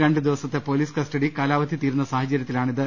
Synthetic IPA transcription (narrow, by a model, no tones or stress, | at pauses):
ɾeɳɖɨd̪iʋɐsɐt̪ːe̞po̞ːliːskɐsʈɐɽikaːlaːʋɐd̪ʱit̪iːɾunːɐsaːɦɐt͡ɕɐɾjɐt̪ːilaːɳiðɨ